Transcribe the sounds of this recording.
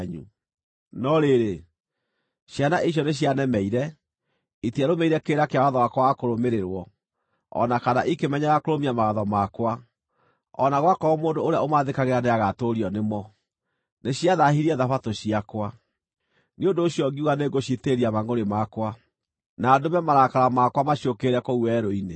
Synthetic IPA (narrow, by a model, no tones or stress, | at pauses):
ɲṵ | nɔɾeɾe | ɕjanaʔiɕ̬jɔneɕ̬janɛmɛiɾɛ | itiaɾomɛiɾɛkeːɾakeawaðɔwakɔwakoɾomeɾeɾwɔ | ɔ̰nakanaʔikemɛɲaɣakoɾomiamawaðɔmakwa | ɔnaɣwakɔmoːndooɾeaomaðekaɣeɾaneaɣatoɾiɔnemɔ | neɕiaðahiɾiɛðafatoɕiakwa | neondoːɕiɔɡiuɣaneɣoɕiteɾiamaŋɡoɾemakwa | naːdomɛmaɾakaɾamakwamaɕiokeɾɛkouwɛɾoine